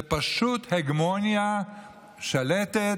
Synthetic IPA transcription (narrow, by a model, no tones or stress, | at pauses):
paʃut̪heɡmonja | ʃalet̪e